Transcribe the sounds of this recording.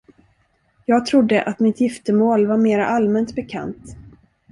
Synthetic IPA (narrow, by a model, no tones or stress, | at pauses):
jɑːɡ̚t̪ʰɾʊd̪ːəʔat̪mɪt̪jɪft̪əmoːlvaɾmeːɾa̰ʔalmɛnt̪bɛkʰa̰nt̪